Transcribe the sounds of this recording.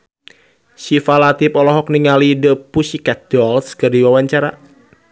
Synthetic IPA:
sifalat̪ipɔlɔɦɔkniŋalidəpusikat̪̚d̥ɔlskərdiwawaɲt͡ʃaɾa̰

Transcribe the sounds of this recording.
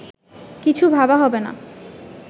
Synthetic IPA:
kit͡ɕʰubʱabaɦɔbena̰

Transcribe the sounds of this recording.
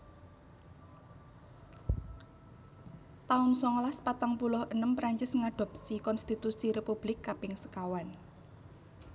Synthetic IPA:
t̪aʊnsɔŋlaspat̪aŋpulʊhʔənəmpɾaɲt͡ʃɪsŋaɖ̥ɔ̤p̚sikɔnst̪it̪usiɾepub̥lɪkːapɪŋsə̥kawan

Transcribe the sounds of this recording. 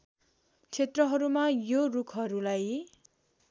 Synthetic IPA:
t͡sʰet̪rʌɦʌɾumajorukʰɦʌɾulaj

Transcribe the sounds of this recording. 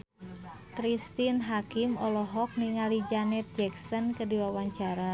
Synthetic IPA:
kɾist̪inɦakimɔlɔɦɔk̚niŋalid͡ʒanɛt̪̚d͡ʒɛksɔnkədiwawaɲt͡ʃaɾa

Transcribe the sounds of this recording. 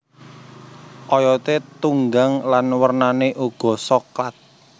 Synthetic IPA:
ʔɔjɔt̪et̪uŋɡaŋlanwərnaneʔuɡ̥ɔ̤sɔklat̪̚

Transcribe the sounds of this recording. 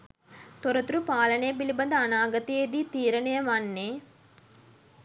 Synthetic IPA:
t̪oɾɐt̪uɾupaːlɐnejɐbilibɐnd̪ɐːnaːɡɐt̪ied̪it̪iːɾɐnɐjɐmɐnːe

